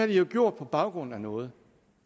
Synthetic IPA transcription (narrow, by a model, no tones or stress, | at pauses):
æɐd̥ijo̝ɡ̥jo̝ɐ̰d̥̚pʰɒ̽b̥ɑ̈ʊɡ̥ʁɔ̽n̰̩ænɔ̽ːð̞̩ˠ